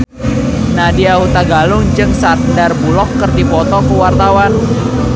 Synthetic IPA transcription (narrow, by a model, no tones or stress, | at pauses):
nadiahut̪aɡalʊŋd͡ʒɨŋsardarbulɔkːərdipɔt̪ɔkəwart̪awan